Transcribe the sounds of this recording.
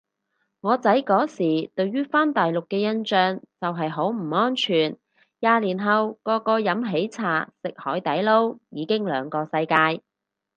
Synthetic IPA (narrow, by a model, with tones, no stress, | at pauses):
ŋɔː˨˧t͡sɐ˨˥jkɔː˨˥siː˨˩t̪ɵ˧ɥɥyː˥faː˥nt̪aː˨jlʊ˨kːɛː˧jɐ˥nt͡ʃœː˧ŋt͡sɐ˨wɦɐ˨jɦo˨˥wm̩˨˩ŋɔː˥nt͡ʃʰyː˨˩n | jaː˨˧liː˨˩nɦɐ˨wkɔː˧kɔː˧jɐ˨˥mɦe˨˥jt͡sʰa̰ː˨˩sɪ˨k̚hɔː˨˥jt̪ɐ˨˥jlo˥wjiː˨˧kɪ˥ŋlœː˨˧ŋkɔː˧sɐ˧jkaː˧j